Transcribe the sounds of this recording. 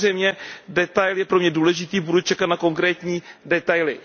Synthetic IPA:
rɛjmɲɛdɛt̪ajljɛpɾomɲɛduːlɛʒɪt̪iːbudut͡ʃɛkat̪nako̞ŋkɾɛːt̪ɲiːdɛt̪ajlɪ

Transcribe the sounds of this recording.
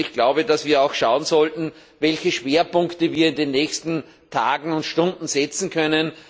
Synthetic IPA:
ɪçɡ̥laʊbədasv̥iːɐaʊxʃaʊənzɔltn̩ | vɛlçəʃv̥eːɐpʊŋktəviːɐɪndenːɛːçstn̩ | tʰaːɡŋ̩ʊntʃtʊndn̩zɛt͡sn̩kʰœnən

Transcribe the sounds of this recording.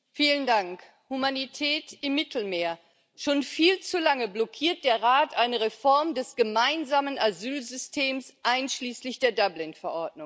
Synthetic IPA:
fiːləndaŋk | humanitʰɛːtɪmːɪtʰl̩meːɐ | ʃoːnfiːlt͡sulaŋəblɔkʰiːɐt̚d̥eːɐʁaːtʔaɪnəʁefɔɐmdɛsɡ̥əmaɪnzaːmənʔazyːlzʏstʰeːmsʔaɪnʃliːslɪçd̥eːɐdablɪnfɛɐʔɔɐd̚nʊŋ

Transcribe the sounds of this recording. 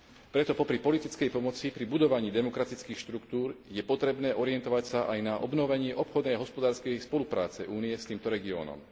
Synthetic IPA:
pɾɛt̪ɔpɔpɾipɔlit̪it͡skɛjpɔmɔt͡sipɾibud̪ɔʋaɲiːd̪ɛmɔkɾat̪it͡skiːxʃt̪ɾukt̪uːɾjɛpɔt̪ɾɛbnɛːʔɔɾɪɛnt̪ɔʋacsaʔajnaʔɔ̰bnɔʋɛɲɪɛʔɔpxɔd̪nɛjaɦɔspɔd̪aːɾskɛjspɔlupɾa̰ːt͡sɛʔuːnijɛst̪iːmt̪ɔɾɛɡiɔ̰ːnɔ̰m

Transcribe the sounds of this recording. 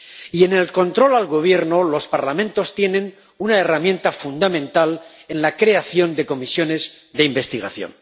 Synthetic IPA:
ie̞ne̞lko̞nt̪ɾo̞lalɣo̞β̞je̞ɾnolo̞spaɾlamẽnt̪o̞st̪je̞nẽ̞n | unae̞ramjẽ̞nt̪afund̪amẽ̞nt̪ale̞nlakɾe̞aθjo̞nd̪e̞ko̞misjo̞ne̞zðe̞imbe̞st̪iɣaθjo̞̰n

